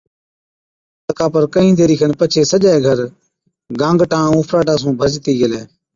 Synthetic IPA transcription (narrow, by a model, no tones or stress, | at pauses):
t̪əkaːpəɾkəɦĩːd̪eːɾiːkənpət͡ʃʰeːsəʄaːeːɡʱəɾ | ɡãːŋɡʈãːõːpʰɾaːʈaːsũːbʱəzt̪iːɡəleː